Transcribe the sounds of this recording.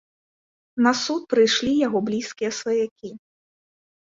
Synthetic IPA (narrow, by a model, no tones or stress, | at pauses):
nɐsut̪̚pɾɨjʂlʲijaɣɔblʲiskʲijɛsvɐjakʲi